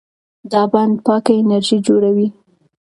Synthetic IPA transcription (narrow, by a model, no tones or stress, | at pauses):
d̪ɑband̪̚pɑkaɪnaɾʒid͡ʒoɽawi